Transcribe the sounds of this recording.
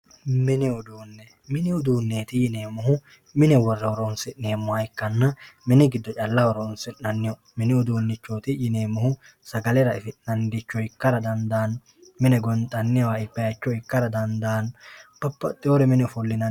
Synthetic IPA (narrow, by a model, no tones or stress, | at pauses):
mɪnɪʊd̪uːnːɛ | mɪnɪʊd̪uːnːeːt̪ɪjɪne̞ːmʊɦʊ | mɪnɛwɔrːɛwɔɾoːnsɪʔneːmːʊhɐɪkːɐnːɐmɪnɪɡɪd̪ːɔt͡ʃʼɐlːɐwɔɾoːnsɪʔnɐnːɪjɔ | mɪnɪʊd̪uːnːɪt͡ʃːoːt̪ɪjɪne̞ːmːʊhʊ | sɐɡɐlɛɾɐɪfɪʔnɐnd̪ɪt͡ʃːɔɪkːɐɾɐd̪ɐnd̪aːn | mɪnɛɡɔnt̪ʼɐnːɛwaːɪkːɐjɐt͡ʃːɔɪkːɐɾɐd̪ɐnd̪aːnb̥ɐpːɐ̰t̪ʼːɪɔɾɛmɪnɛfʊlːɪnɐ